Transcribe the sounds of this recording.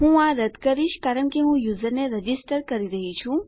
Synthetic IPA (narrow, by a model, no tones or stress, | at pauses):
ɦũaɾəd̪kəɾiʃkaːɾəɳkeɦũjuːzəɾneɾəd͡ʒisʈəɾkəɾiɾəɦit͡ʃʰũ